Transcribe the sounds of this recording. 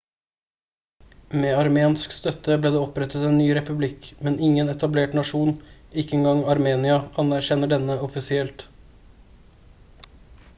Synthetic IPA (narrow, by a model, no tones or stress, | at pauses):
meːɑɾmeːnskst̪œt̪əbleːd̪eːɔpɾɛt̪ət̪ɛːnːyːɾɛpʉblɪkmɛnɪŋənɛt̪ɑbleːʈnɑʂuːnɪkːəɛŋɡɑŋɑɾmeːnɪɑʔɑnæɾçɛnəɖɛnəɔfɪsɪɛlt̪